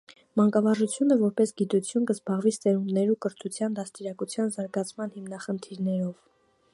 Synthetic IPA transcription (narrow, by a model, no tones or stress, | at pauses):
mɑŋkɑvɑʒut͡sʰjunəvɔɾpɛsɡit̪ut͡sʰjunkəzbɑʁvist̪ɛɾunːɛɾukəɾt̪ʰut͡sʰjɑnd̪ɑst̪iɾɑkut͡sʰjɑnzɑɾɡɑt͡sʰmɑn̪himnɑχənt̪ʰiɾnɛɾɔv